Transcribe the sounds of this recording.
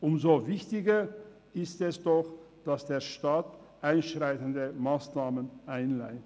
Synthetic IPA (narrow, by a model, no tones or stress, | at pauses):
ʔʊmzovɪçtɪɡɐ | ʔɪstɛsd̥ɔx | d̥asd̥eːɐʃtaːt | ʔaɪnʃʁaɪtn̩dəmaːsnaːmənʔaɪnlaɪt